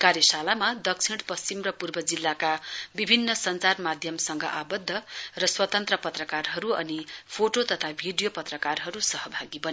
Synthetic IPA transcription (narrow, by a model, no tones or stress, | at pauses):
kaɾjʌsalamad̪ʌksʰiɽpʌst͡ɕimrʌpurbʌd͡zilːakabibʱinːʌsʌnt͡sarmad̪ʱjʌmsʌŋɡʌʔabʌd̪ʱːʌrʌswʌt̪ʌnt̪rʌpʌt̪rʌkarɦʌɾuʌnipʰoʈot̪ʌt̪ʰabʱiɖijopʌt̪rʌkarɦʌɾusʌɦʌbʱaɡibʌne